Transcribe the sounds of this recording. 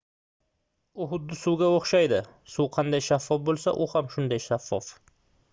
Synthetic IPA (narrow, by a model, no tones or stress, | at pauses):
ʊɦʊd̪ːɪsʊwɡʲaoχʃajd̪ɪsuwqʰɑnd̪ajʃafːɒfbolˠsa̰ʔʊhamʃʊnd̪ajʃafːɒf